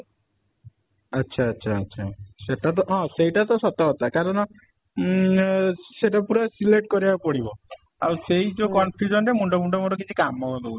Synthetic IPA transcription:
ətːʃʰaːtːʃʰaːtːʃʰa̰seʈat̪̬ɔɦɔ̃seɦiʈat̪ɔsɔt̪ɔɦɔt̪akaɾɔnɔ | seʈapuɾasileʈ̚kɔɾibapɔɽibɔ | a̰wseɦid͡ʒokɔnpʰjud͡ʒɔnɾemuɳɖɔbuɳɖɔmɔʈɔkit͡ʃʰikamːɔɡɔd̪ou

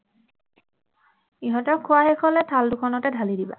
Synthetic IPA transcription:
iɦɔtɔkʰːʊwaxekʰɔlɛtʰaldukʰɔnɔtɛdʱalidiba̰

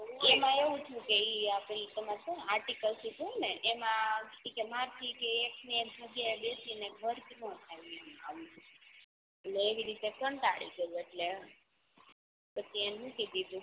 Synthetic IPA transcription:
emãeʋũt͡ʃʰũkeiapeɾit̪əmat̪õaɾʈikəlsit̪uneʔemãikemaɾt̪ʰikeek̚nebʱəɡaɓesineɡʱəɾknɔ̃t̪ʰamiema̰m | eleːʋiɾit̪ekənt̪aɽḭɡəjũeʈle | pət͡ʃʰienũked̪id̪ũ

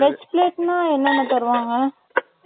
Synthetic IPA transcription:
ʋɛt͡ʃpleːʈnãːɛnːɐnːɐt̪ɐɾɯʋaːŋɡɐ

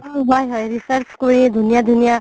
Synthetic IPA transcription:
bajɦʌjɾisəɾt͡ʃkoɾĩd̪ʱunijad̪ʱunija

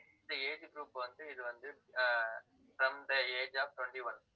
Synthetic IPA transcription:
d̪ɐeːd͡ʒɡɾuːpʋɐnd̪ɯɪðɯʋɐnd̪ɯ | fɾɐmd̪ɐeːd͡ʒaːfʈwɛɳʈiʋɐn

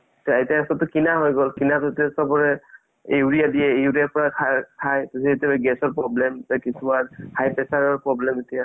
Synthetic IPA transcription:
tɔatiaasɔtɔkinaɦɔjɡɔlkinatɔtɛsɔbɔɹɛ | ejuɹijadijɛuɹiaɹpɔɹakʰakʰajtusietabɛɡɛsɔɹpɹɔblɛmakisumanhajpɛsaɹɔɹpɹɔblɛmetija

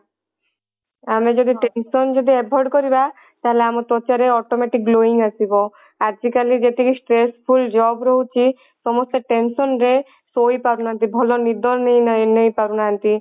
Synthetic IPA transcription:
amed͡ʒɔd̪iʈensɔnd͡ʒod̪iɛbʱɔɖkɔɾiba | t̪aɦeleamɔt̪ɔt͡ʃaɾeɔʈɔmeʈik̚loiŋɡasibɔ | ad͡ʒikalid͡ʒet̪ikisʈɾespʰuld͡ʒɔbɾɔɦut͡ʃʰi | sɔmɔst̪ɔʈensɔnɾe | sojpaɾunaɦnt̪̬ibʱɔlɔnid̪ʱɔɾnejnejpaɾunaɦant̪i

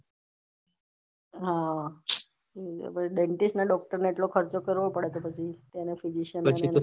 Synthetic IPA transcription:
ɦã | ḛpəɖeɳʈisʈnaɖɔk̚ʈəɾneeʈlokʰəɾt͡ʃokəɾʋopəɽet̪opət͡ʃʰit̪anefid͡ʒiʃənə

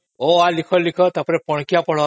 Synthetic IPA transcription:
oalikʰɔlikʰɔt̪apɔɾepɔɽ̃kijapɔɭɔ

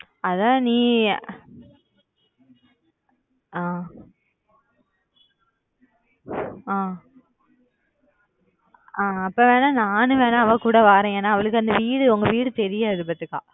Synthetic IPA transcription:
ɐðãːniː | aː | aː | aːɐpːɐːʋeːnãːnaːnɯʋeːnãːɐʋɐ̃kuːɽɐʋaːɾẽeːnːaːɐʋɐɭɯkːɯɐnd̪ɐʋiːɽɯɔŋɡɐʋiːɽɯt̪ɛɾɪjaːðɯp̬ɐt̪ːɯkːã̰ː

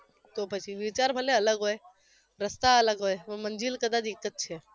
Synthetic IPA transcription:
t̪opət͡ʃʰiʋit͡ʃaɾbʱəleɐləɡɦoe | ɾəst̪aələɡɦojʋməɲd͡ʒilkəd̪ad̪ɪkːət̪̚t͡ʃʰe

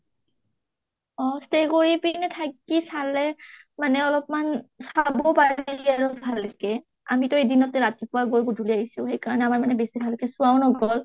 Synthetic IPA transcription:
ɔstekoɹipinɛtʰak̚ːisalɛmanɛɔlɔpmansabɔpailiaɹubʱalkɛ | a̰mitʊejdinɔtɛɹatipʊaɡojɡodʱuliaɦisʊ̃xejkaɹɔnɛamaɹmanɛbesibʱalkɛsuaʊwnɔɡɔl

